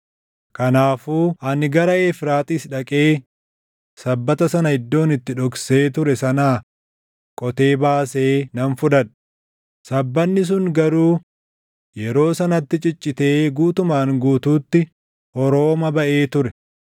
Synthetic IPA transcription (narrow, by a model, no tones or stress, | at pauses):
kɐnaːfuːʔɐnɪɡɐɾɐeːfɾaːt̪ʼiːsᶑɐkʼeː | sɐbːɐt̪ɐsɐnɐɪd̪ːo̞ːnɪt̪ːɪᶑɔkse̞ːt̪̬ʊɾɛsɐnaː | kʼɔt̪e̞ːbaːseːnɐnfʊᶑɐᶑ | sɐbːɐnːɪs̬ʊŋɡɐɾuː | jɛɾo̞ːsɐnɐt̪ːɪt͡ʃʼɪt͡ʃʼːɪt̪e̞ːɡuːt̪ʊmaːŋɡuːt̪uːt̪ːɪ | ʔɔɾo̞ːmɐbɐʔeːt̪ʊɾɛ